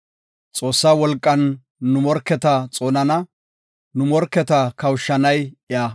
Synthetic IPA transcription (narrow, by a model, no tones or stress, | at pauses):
t͡sʼo̞ːsːaːwɔlkʼːɐnː | ʊmɔɾkːɛt̪ɐt͡sʼo̞ːnɐnɐ | nʊmɔɾkːɛt̪ɐkɐwʃːɐnɐjɪjaː